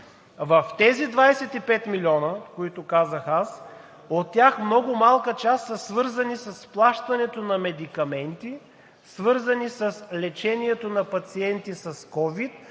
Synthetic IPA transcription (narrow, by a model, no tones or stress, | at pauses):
vəft̪ɛzid̪vajsɛt̪ipɛt̪milʲiɔnəkoit̪ʊkazəxas | ot̪ːjaxmnɔɡʊmalˠkət͡ʃast̪sɐsvɤɾzɐnisɐsplˠaʃt̪ɐnɛt̪onɐmɛd̪ikɐmɛnt̪i | svɤɾzənisɐslɛt͡ʃɛniɛt̪onɐpɐt̪siɛnt̪isɐskɔvit̪̚